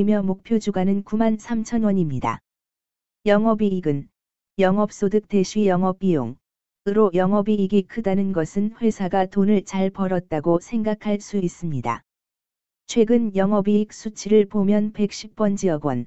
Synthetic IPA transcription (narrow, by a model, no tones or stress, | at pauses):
imjʌmok̚pʰjod͡ʑuɡanɯnkumansʰamt͡ɕʰʌnwʌɲimɲida̰ | jʌŋʌbiːɡɯn | jʌŋʌp̚s͈odɯk̚t͈e̞ɕʰɥijʌŋʌbijo̰ŋ | ɯɾojʌŋʌbiːɡikʰɯdanɯnɡʌsʰɯnɸwe̞sʰaɡatonɯɭt͡ɕaɭpʌɾʌt̚t͈aɡosʰe̞ŋɡakʰaɭs͈uis͈ɯmɲida̰ | t͡ɕʰwe̞ɡɯnjʌŋʌbiːk̚s͈ut͡ɕʰiɾɯɭpomjʌnpe̞k̚ɕ͈ip̚p͈ʌnd͡ʑijʌɡwʌn